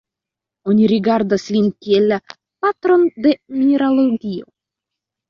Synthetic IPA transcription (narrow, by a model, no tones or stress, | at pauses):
onʲiɾiɡaɾd̪aslʲinʲkʲielːa | pat̪ɾond̪emʲieɾalˠoɡʲio̰